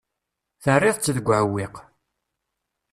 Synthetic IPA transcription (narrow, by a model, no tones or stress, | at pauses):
θərːɪðˤt͡sːəðəɡʷːʕəwːiq